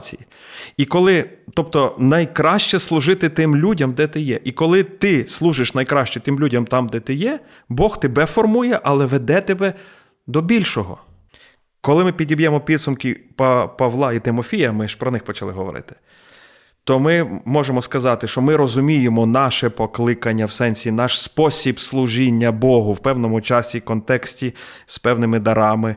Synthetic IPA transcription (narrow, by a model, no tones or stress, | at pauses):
t͡sʲḭji | ikɔlˠɪt̪ɔp̚t̪ɔnɐjkɾɑʃt͡ʃɛslˠʊʒɪt̪ɪt̪ɪmlʲudʲɐmd̪ɛt̪ɪjɛʔikɔlˠɪt̪ɪslˠuʒɪʃnɐjkɾɑʃt͡ʃɛt̪ɪmlʲudʲɐmt̪ɑmd̪ɛt̪ɪjɛ | bɔxt̪ebɛfɔrmujɛʔɐlˠɛʋed̪ɛt̪ebɛ | d̪ɔbʲilʲʃɔɦɔ̰ | kɔlˠɪmɪpʲidʲibjɛmɔpʲid̪sʊmkipɐpɐʋlˠɑit̪ɪmɔfʲijɐmɪʃpɾɔnɪxpɔt͡ʃɐlˠɪɦɔʋɔ̰ɾɪ̰t̪ɪ̥ | t̪ɔmɪmɔʒemɔskɐzɑt̪ɪʃt͡ʃɔmɪɾɔzʊmʲijemɔnɑʃɛpɔklˠɪkɐnʲːɐwsɛnʲsʲinɑʃspɔsʲibslˠuʒinʲːɐbɔɦʊwpɛwnɔmʊt͡ʃɑsʲikɔnt̪ɛksʲtʲispɛwnɪmɪd̪ɐɾɑmɪ